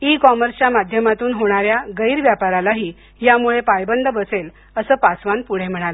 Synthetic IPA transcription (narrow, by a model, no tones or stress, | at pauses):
ikɔməɾst͡ɕamad̪ʱjəmat̪uːnɦoɽ̃aɾjaɡəiɾʋjapaɾalaɦiː | jamuɭepajbənd̪ʱəbəsel | əsəːpasʋanpuɽ̤em̤əɽ̃alə